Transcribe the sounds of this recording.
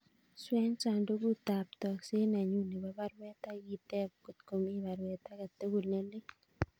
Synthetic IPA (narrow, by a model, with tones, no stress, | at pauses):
swɛ˦ɲsa˨ndo˦ɡu˦t̪a˨p̚t̪ɔ˨kse˦n˨a˨ɲu˦ni˨ba˦ba˦ɾwɛ˦t̪a˦ji˦t̪ɛ˦bko˨t̪ko˨mi˦βa˨ɾwɛ˨t̪a˦ka˨t̪e˦ɡu˨lne˦lɪ˦ŋ